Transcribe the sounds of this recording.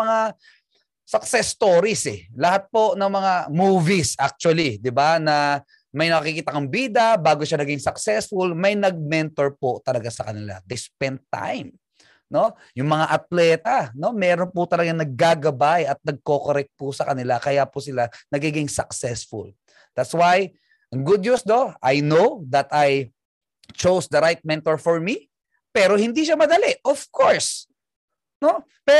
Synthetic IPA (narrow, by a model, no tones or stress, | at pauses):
ɐŋa | sɐksɛst̪oːɾisɛlɐhat̪̚po̞nɐŋmɐŋamuːvisʔak̚t͡ʃwɐlid̪ɪbanɐ | mɐjnɐkɐkikiːt̪ɐkɐmbiːd̪ɐbaːɡoʃanɐɡɪŋsɐksɛsfʊlmɐjnɐɡ̚mɛnt̪o̞ɹpot̪ɐlɐɡasɐkɐnɪla̰d̪ɪspɛnt̪ːa̰jm | no̞ | jʊŋmɐŋaʔɐt̪̚lɛːt̪ɐno̞mɛːɾo̞npʊt̪ɐlɐɡaŋnɐɡ̚ɡaːɡɐbajɐt̪̚nɐɡ̚ko̞koɾɛk̚t̪̚pʊsɐkɐnɪlakɐjapʊsɪlanɐɡiːɡɪŋsɐksɛsfʊ̰l | d̪̥at̪swaj | ʔɐŋɡʊd̪̚ɲusd̪oʔajnowd̪ɐt̪aj | t͡ʃowsd̪ɐɾajt̪̚mɛnt̪oɹfɔɹmi | pɛːɾo̞hɪ̃nd̪iʃamɐd̪ɐlɛʔʔofkʰoɹs | no̞ | pɛ